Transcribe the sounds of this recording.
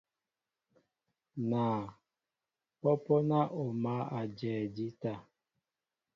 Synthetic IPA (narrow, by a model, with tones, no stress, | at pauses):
naː˨ | pɔ˦pɔ˦na˦ʔo˨ma˦a˨d͡ʒɛː˨di˦ta˦˨